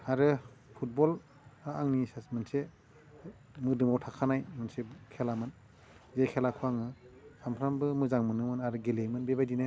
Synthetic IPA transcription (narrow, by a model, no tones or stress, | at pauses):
aɾɯpʰut̚bɔl | aaŋnisasmɯnse | mɯdɯmawtʰakʰanajmɯnsekʰelamɯn | zejkʰelakʰuaŋɯsampʰɾambɯmɯzaŋmɯnɯmɯnaɾɯɡelemɯnbebajdina